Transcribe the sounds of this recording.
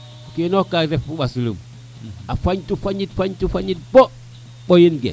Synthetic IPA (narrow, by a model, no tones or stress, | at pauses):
kenokaɾefuɓasulṵm | afaɲtufaɲitfaɲtufaɲit̚bo | ɓojinɡḛ